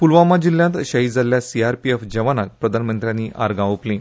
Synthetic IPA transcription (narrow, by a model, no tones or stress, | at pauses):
pulʋamad͡ʑiljãnt̪ɕəɦid͡zʱaljasiaɾpiefd͡ʑəʋanak̚pɾəd̪ʱanmənt̪ɾjãniʔa̰ɾɡãʋəplẽ